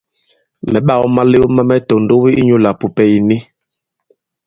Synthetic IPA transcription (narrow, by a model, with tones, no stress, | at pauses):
mɛ˨ɓa˦˨wɔ˦ma˦le˦ma˦mɛ˦tɔ˨n˨do˦wi˦ʔi˦ɲu˦la˨pu˨pɛ˦ji˨ni˦